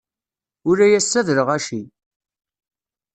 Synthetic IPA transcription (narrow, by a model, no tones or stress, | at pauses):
ʊɾæjæsːæðɾəʁæʃi